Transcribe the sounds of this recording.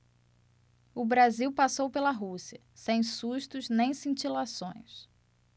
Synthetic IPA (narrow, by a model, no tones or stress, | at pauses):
ʊbɾaziwpasowpelɐɦusiɐ | sẽj̃suʃt̪ʊznẽj̃sĩnt͡ʃilasõ̰j̃s